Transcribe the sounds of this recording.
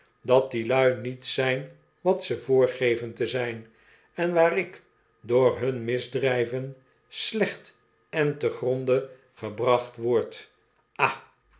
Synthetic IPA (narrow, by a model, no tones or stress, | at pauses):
dɑt̚dilœɥnitsɛjn | ʋɑtsəvʊːɹχejvəntəzɛjn | ɛnʋaːɾɪk | dʊːɹɦɵnmɪzdrɛjvən | slɛχt | ɛntəχrondə | χəbrɑχtʋɔɹt | ʔa